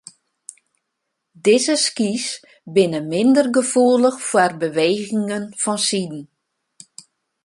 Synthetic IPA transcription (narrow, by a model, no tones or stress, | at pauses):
dɪzəskis | bɪnəmɪndərɡəfuələxfwərbəʋeːɣɪŋənfɔnsidn̩